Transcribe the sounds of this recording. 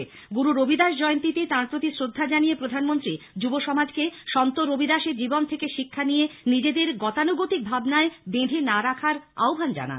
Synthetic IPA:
ɡuɾuɾobʱid̪aʃd͡ʑɔeont̪it̪et̪ãɾpɾot̪isɾod̪ʱːad͡ʑanijepɾod̪ʱanmont̪ɾid͡ʑuboʃɔmad͡ʑkeʃɔnt̪oɾobʱid̪aʃed͡ʑibont̪ʰekeʃikʰːanijenid͡ʑed̪eɾɡɔt̪anuɡot̪ik̚bʱabnaebẽd̪ʱenaɾakʰaɾa̰obʱand͡ʑa̰na̰n

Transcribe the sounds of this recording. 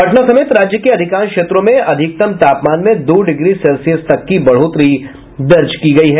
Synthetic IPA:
ɐʈʰnasɐmeːt̪ɾaːd͡ʒjəkeɐd̪ʱɪkaːnkʃeːt̪ɾõmẽɐd̪ʱɪk̚t̪ɐmt̪aːpmaːnmẽd̪oːɖɪɡɾisɛlsiəst̪ɐkːibɐɽ̤oːt̪ɾi | d̪ɐɾd͡ʒkiɡɐiɦɛː

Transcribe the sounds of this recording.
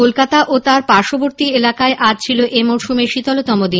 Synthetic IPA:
olkat̪aʔot̪aɾpaɾʃoboɾt̪ielakaeʔad͡ʑt͡ɕʰiloʔemoʃumeɾʃit̪ɔlot̪ɔmod̪i

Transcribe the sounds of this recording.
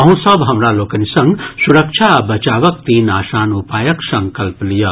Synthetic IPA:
ɐɦũsɐbɦɐmɾaloːkɐnisɐ̃ŋɡsuɾɐkt͡ʃʰabɐt͡ʃaːʋɐkt̪iːnaːʃaːnupaːjɐksɐ̃ŋkɐlplijɐ

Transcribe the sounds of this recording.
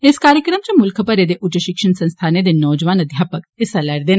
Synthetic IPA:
eskaːɾjəkɾəmt͡ʃɐmʊlkʰəpɐɾed̪eʔʊd͡ʒɐʃɪkʂənsɐ̃nst̪ʰaːned̪enɔːd͡ʒʋaːnɐd̪ʱjaːpəkesɐlɐɾd̪en

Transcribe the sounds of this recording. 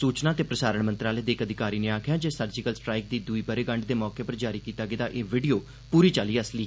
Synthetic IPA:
suːt͡ʃnaːt̪eːpɾəsaːɾəɳmə̃nt̪ɾaːləeːd̪eːkəd̪ʱɪkaːɾiːneːaːkʰjaːd͡ʒeːsəɾd͡ʒɪkəlsʈɾaːɪk̚d̪iːd̪ʊiːbəɾeːɡəɳɖd̪eːmɔːkeːpəɾd͡ʒaːɾiːkiːt̪aːɡɪd̪aːʔeːʋɪɖijoː | puːɾiːt͡ʃaːliːəsliː

